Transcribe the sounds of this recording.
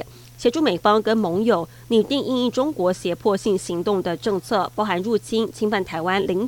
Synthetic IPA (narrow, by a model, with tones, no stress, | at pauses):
ɕjɛ˧˥ʈ͡ʂʰu˥˩me˨˩ɪfɑ˥ŋkə˥nmɤ˧˥ŋjo˨˩ʊ | ni˨˩t̪i˥˧ŋi˥˧ŋi˥˩ʈ͡ʂʊ˥ŋkwɔ˧˥ɕjɛ˧˥pʰwɔ˥˧ɕi˥˩ŋɕi˧˥ŋt̪ʊ˥˩ŋd̪ə˩ʈ͡ʂɤ˥˧ŋt͡sʰɤ˥˩pɑ˥ʊxa˧˥nɻu˥˩t͡ɕʰi˥nt͡ɕʰi˥ŋfa˥˩nt̪ʰa˧˥ɪwa˥nli˧˥ŋ